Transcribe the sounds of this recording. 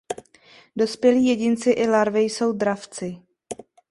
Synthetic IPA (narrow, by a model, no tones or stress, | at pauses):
do̞spjɛliːjɛɟɪnt͡sɪʔɪlaɾvɪjso̞wd̪ɾaft͡sɪ